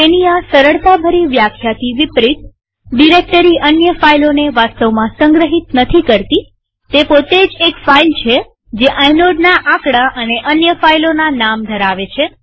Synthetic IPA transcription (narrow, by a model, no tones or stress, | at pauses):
eniasəɾəɭt̪abʱəɾiʋjakʰjat̪ʰiʋipɾit̪̚ | ɖiɾek̚ʈəɾiʔənjəfailoneʋast̪əʋmãsə̃ŋɡɾəɦit̪nət̪ʰikəɾt̪i | t̪epot̪ed͡ʒekfailt͡ʃʰe | d͡ʒeʔajnoɖnaʔakɽaʔəneʔənjəfailonanamd̪ʱəɾaʋet͡ʃʰe